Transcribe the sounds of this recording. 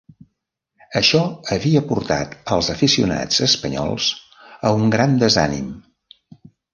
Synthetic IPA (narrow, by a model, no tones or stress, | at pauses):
əʃɔəβiəpuɾt̪a̰t̪əlˠzəfisiuna̰d͡zəspəɲɔ̰lˠs | əuŋɡɾand̪əza̰nḭm